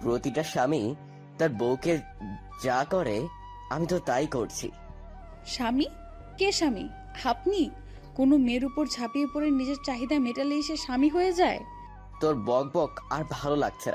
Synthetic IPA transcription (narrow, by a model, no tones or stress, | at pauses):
pɾot̪iʈaʃami | t̪aɾbowke | d͡ʑakoɾe | amit̪ot̪ajkoɾt͡ɕʰḭ | ʃami | keʃamḭ | hapni | konomeɾupoɾd͡ʑʱapiepoɾeɾnid͡ʑeɾt͡ɕaɦid̪ameʈaleiʃeʃamiɦojed͡ʑae | t̪oɾbɔk̚bɔkaɾbʱalolaɡ̚t͡ɕʰena̰